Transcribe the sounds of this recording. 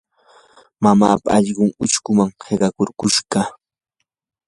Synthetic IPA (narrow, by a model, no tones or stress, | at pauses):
mama̰ːpa̰ɑʎɢʊŋʊt͡ʃkʊmaŋheɢɑkoɾkʊʃɢɑ